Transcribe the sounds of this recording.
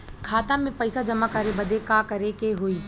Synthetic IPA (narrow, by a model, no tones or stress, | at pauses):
kʰaːt̪ãmẽpɐɪsad͡ʒɐmakɐɾebɐd̪ekakɐɾekeɦoːiː